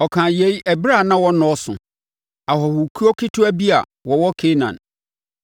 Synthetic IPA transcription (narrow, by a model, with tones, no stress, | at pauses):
ɔ˨kʰã˨je˨˦jɛ˨bɾa˦˨nã˦wɔ˦nɔ̃˨˦ɔ˦sʊ̰̃˨ | a˨hɔ˨hu˨kʰu˦ɔ˦kʰi˦tʰu˦æ˦bi˦a˨ | wɔ˨wɔ˦kʰe˦nã̰˨n